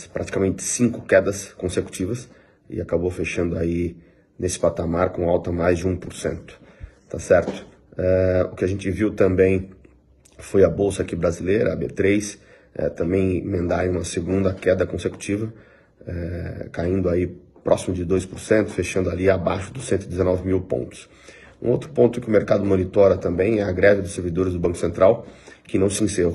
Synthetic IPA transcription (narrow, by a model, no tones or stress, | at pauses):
spɾʔat͡ʃi̥kamẽnt͡ʃ̪ɪ̥sĩŋkʊkɛd̪ɐskõseku̥t͡ʃivɐs | ɪ̰akabowfeʃɐ̃nd̪ʊai | nesɪ̥pat̪amaɾkõawt̪ɐmajzd͡ʒɪũpoɾsḛ̃nt̪ʊ̥t̪asɛɾt̪ʊ̥ | ɛʊkɪaʒẽnt͡ʃɪviwt̪ɐ̃mbẽj̃ | fojɐbowsɐakibɾazilejɾɐːbḛt̪ɾejs | ɛ̰t̪ɐ̃mbẽj̃mẽnd̪aɾẽj̃ũmɐseɡũnd̪ɐkɛd̪ɐkõseku̥t͡ʃivɐ | ɛkaĩnd̪ʊaipɾʔɔsimʊd͡ʒɪd̪ojspʊɾsẽnt̪ʊ̥feʃɐ̃nd̪ʊaliabaʃʊd̪ʊsẽnt̪ʊid̪ezenɔvɪmiwpõ̰nt̪ʊ̥s | ṵ̃owt̪ɾʊ̥põnt̪ʊkɪʊmeɾkad̪ʊmonit̪ɔɾɐt̪ɐ̃mbẽj̃ɛɐɡɾɛvɪd̪ʊseɾvid̪oɾɪzd̪ʊbɐ̃kʊ̥sẽnt̪ɾawkɪnɐ̃w̃sɪĩse